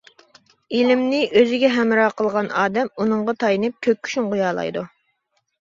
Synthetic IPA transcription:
ilɪmnɪʔøzɪɡʲɛɦɛmɾɑːqʰəlˠʁɑnɑːd̪ɛmunɨɴʁɑt̪ʰɑjnɨp̚kʲʰøk̚ʲʰːy̥ʃynʁujɑːlˠɑ̰jd̪u

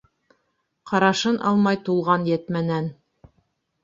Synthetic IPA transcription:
qʰɑɾɑʃɤnʔɑ̰lˠmɑjt̪ulˠʁɑnjɘt̪mænæn

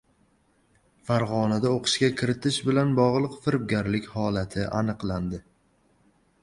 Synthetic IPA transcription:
faɾʁɒnad̪aoqʰɨ̥ʃkʲakʲʰɪɾɪt̪ʰɪʃbɪlanbɒʁlˠɨqfɪɾb̚ɡʲaɾlɪkʲhɒlat̪ʰɪʔa̰nɨqlˠand̪ɪ

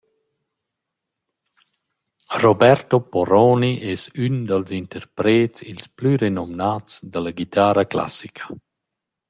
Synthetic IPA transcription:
rɔbɛɾt̪opɔɾɔːniʔɛsynd̪alzint̪əɾpɾeːtsilsplyɾenɔmnaːtt͡sd̪alaɡit̪aːɾakla̰sikʰə̥

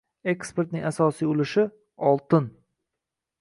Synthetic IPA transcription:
e̞kspe̞ɾt̪nɪŋʲasɒsijʊlɪʃɪ | ɒlˠt̪ɪn

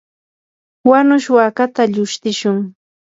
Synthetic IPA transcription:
wanʊʃwakat̪aʎʊʃt̪ɪʃʊŋ

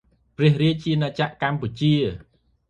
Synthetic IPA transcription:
prɛ̆əhriəc̚t͡ɕiənat͡ɕaʔkamput͡ɕiə

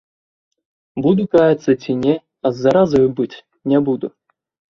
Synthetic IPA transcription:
bud̪ukajat̪sɐt͡sʲinʲɛ | ɐzːaɾazɐjbɨtʲ | nʲɛbud̪ṵ

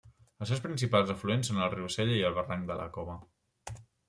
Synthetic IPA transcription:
əlˠs̬ewspɾinsipalˠzəfluensonəlˠriwsɛʎəiəlˠβəraŋd̪ələ̰kɔβə

